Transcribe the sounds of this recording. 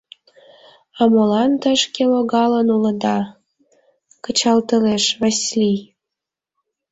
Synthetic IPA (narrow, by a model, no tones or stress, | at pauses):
ɑmolɑnt̪əʃkeloɣɑlənulə̆d̪ɑ | kə̆t͡ɕɑlt̪əleʃβəslʲi